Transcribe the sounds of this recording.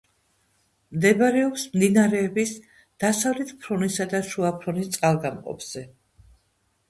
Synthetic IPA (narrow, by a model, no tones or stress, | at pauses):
md̪ɛbaɾɛɔpsmd̪inaɾɛːbis | d̪̥asavlɛt̪ʰpʰɾɔnisad̪aʃuapʰɾɔnist̪sʼalˠɡamqʼɔ̰pz̥ɛ